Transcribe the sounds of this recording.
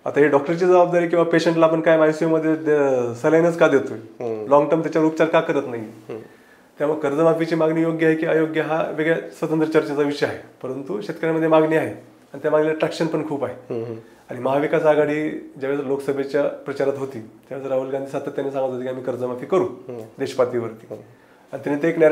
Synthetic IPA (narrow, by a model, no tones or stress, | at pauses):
a̰t̪aɦeɖɔk̚ʈəɾt͡ɕiːd͡zəbab̚d̪aɾiːk̬ĩw̃ʋapeɕəɳʈlaːpəɳkajmajsujoməd̪ʱːjesəlanəskad̪et̪oelɔŋɡʈəɾmt̪jat͡ɕjaʋəɾupt͡ɕaɾkakəɾət̪naɦi | t̪jaməɡkəɾd͡zəmafit͡ɕiːmaɡniːjoɡjəaɦekiːəjoɡjəɦaʋeɡɭasʋət̪ənt̪ɾət͡ɕəɾt͡ɕat͡saʋiʂeaɦepəɾənt̪uɕet̪kəɾjaməd̪ʱːjemaɡniaɦe | aɽ̃it̪jamaɡlelaʈɾɛkɕənpəɳkʰuːpaɦe | aɽ̃iməɦaʋikasaɡaɽiːd͡ʑaʋjasəɾloksəbʱet͡ɕjapɾət͡ɕaɾat̪ɦot̪iːt̪jaʋat͡səɾaɦulɡãnd̪ʱiːsat̪ʰːət̪ːjanesãŋɡət̪at̪ikiamiːkəɾd͡zəmafiːkəɾuːd̪eɕəpat̪iːʋəɾt̪iː | ãit̪ʲjaniːt̪eekne